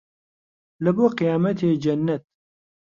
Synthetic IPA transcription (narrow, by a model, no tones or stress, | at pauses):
lɨboːqɨjaːmɛt̪ʰeːd͡ʒɛnːɛt̪̚